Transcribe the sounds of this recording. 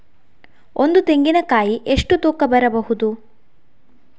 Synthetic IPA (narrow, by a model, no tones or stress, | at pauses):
o̞nd̪ut̪e̞ŋɡinɐkaːjiʔeʂʈut̪uːkɐbɐɾɐbɐɦud̪u